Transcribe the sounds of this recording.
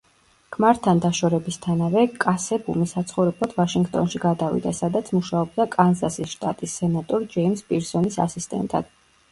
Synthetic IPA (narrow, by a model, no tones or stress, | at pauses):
ɡ̥ʰmaɾt̪ʰand̪aʃɔɾɛbist̪ʰanavɛkʼasɛbumisat̪sʰχɔvɾɛblˠad̪̥vaʃiŋɡt̪ʼɔnʃiɡad̪avḭd̪asad̪at̪sʰmuʃaɔb̚d̪akʼanzasisʃt̪ʼat̪ʼisːɛnat̪ʼɔɾd͡ʒɛimspʼiɾsɔnisa̰sist̪ʼɛ̰nt̪ʼa̰d̪̥